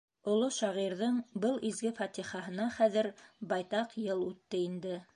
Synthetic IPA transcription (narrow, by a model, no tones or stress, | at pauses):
ŏlˠoʃɑʁiɾðɤɴbɤlˠizɡɘfɑt̪iχɑɦɤ̆nɑχæðɘɾbɑjt̪ɑqjɤlˠʉt̪ːɘind̪ɘ